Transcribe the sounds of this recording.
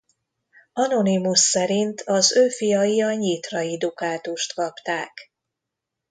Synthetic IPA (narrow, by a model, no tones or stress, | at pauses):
ɒno̞nimusːɛɾint̪ʰɒzøːfijɒjiɒɲit̪rɒid̪ukaːt̪uʃt̪kɒpt̪aːk